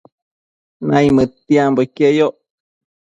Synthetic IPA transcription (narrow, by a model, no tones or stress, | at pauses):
nãimɨt̪ːiamboikejoʔ